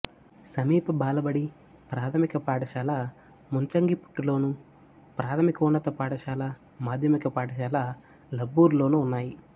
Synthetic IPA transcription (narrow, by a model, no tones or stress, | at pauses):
sɐmiːpɐbaːlɐbɐɽi | pɾaːt̪ʰɐmikɐpaːʈɐʃaːlɐ | munt͡ʃɐŋɡipu̥ʈːulo̞ːnu | pɾaːt̪ʰɐmikɐunːɐt̪ɐpaːʈɐʃaːlɐ | maːd̪ʱjɐmikɐpaːʈɐʃaːlɐ | lɐbːuːɾlo̞ːnuːnːaːji